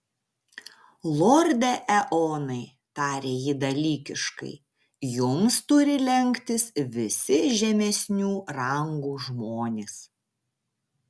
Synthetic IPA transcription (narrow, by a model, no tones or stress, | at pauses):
lˠɔːɾʲd̪ʲɛʔɛʔɔːnɐɪ | t̪ɑːɾʲeːjɪd̪ɐlʲiːkʲɪʃkɐ̰ɪ | jʊmst̪ʊɾʲɪlʲɛŋʲkt̪ʲɪsʋʲɪsʲɪʒʲɛmʲɛsʲnʲuːɾɐŋɡuːʒmoːnʲeːs